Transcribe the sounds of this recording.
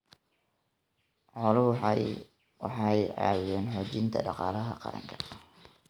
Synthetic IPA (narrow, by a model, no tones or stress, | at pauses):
ʕɔlʊwħ | wɑ̰ħɑjʕɑ̰ːwʊðɛːnħɔːt͡ʃɪnt̪ʰɐ̰ɖɑqɑːlɐɦɐqɑ̰ɾɐ̰ŋkʰɐ̥